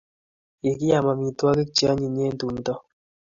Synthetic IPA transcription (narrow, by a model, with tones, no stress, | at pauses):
i˨kɪ˦ja˨ma˨mi˨twa˦kɪ˦k̚t͡ʃja˦ɲi˨ɲe˦ntu˨n˦tɔ˦